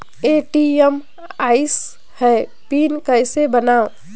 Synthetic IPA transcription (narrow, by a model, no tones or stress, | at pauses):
eːʈiem | aːɪs | hɛ | piːnkəɪsebənaːo